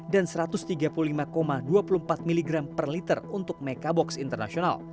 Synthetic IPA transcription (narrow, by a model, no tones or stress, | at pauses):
dansəɾat̪ʊst̪iɡapululimakomaduapulumpat̪̚miliɡɾampərlit̪ərunt̪ʊk̚mekabɔksint̪ərnasiona̰l